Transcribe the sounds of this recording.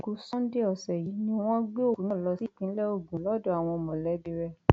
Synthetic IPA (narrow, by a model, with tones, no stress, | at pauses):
ɡu˧˦sɔ̃˦n̩˦de˦ɔ˨sɛ˨ji˨˦nĩ˦w̃ɔ̃˦ɡ͡be˦o˦˨ñ˦˨lɔ˧si˦kĩ˨˦lɛ˦o˦˨ɡũ˨˦lɔ˦dɔ˦˨a˨w̃ɔ̃˧mɔ̃˨lɛ˨˦bi˧ɾɛ˧